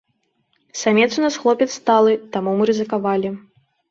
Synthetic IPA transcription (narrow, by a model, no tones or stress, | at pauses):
samʲɛt̪sunasxlˠɔpʲɛt̪st̪alˠɨt̪amumɨɾɨzɨkavalʲi